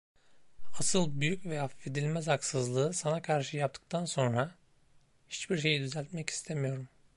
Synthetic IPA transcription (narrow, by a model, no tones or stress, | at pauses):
asɯlˠbyjycvɛaffe̞d̪ilʲmæzaksɯzlˠɯːsanakʰaɾʃɯjap̚t̪ʰɯ̥k̚t̪ʰanso̞nɾa | hit͡ʃbiɾʃ̬e̞jid̪yzælʲt̪mɛci̥st̪ʰemijo̞ɾum